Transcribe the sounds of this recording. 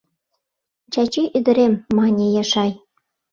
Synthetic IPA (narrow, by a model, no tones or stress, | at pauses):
t͡ɕɑt͡ɕyʔyd̪ɘ̆ɾʲemːɑnʲejɑʃɑj